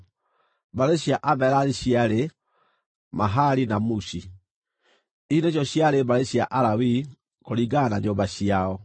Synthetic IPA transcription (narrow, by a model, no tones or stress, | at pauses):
baɾeɕjaʔabɛɾaɾiɕiaɾe | maɦaɾinamusi | iineɕ̬jɔɕjaɾembaɾeɕjaʔaɾawi | koɾiɡanaɲoːmbaɕiaɔ